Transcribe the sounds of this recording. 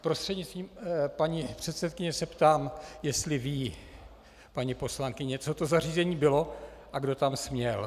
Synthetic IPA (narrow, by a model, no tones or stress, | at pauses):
pɾo̞st̪r̥ɛd̪ɲɪt͡st̪viːmpaɲipr̝̥ɛt̪sɛt̪̚kɪɲɛsɛpt̪aːmjɛst̪lɪviː | paɲipo̞slaŋkɪɲɛt͡sot̪o̞zariːzɛɲiːbɪlo̞ʔaɡdo̞t̪amsmɲɛl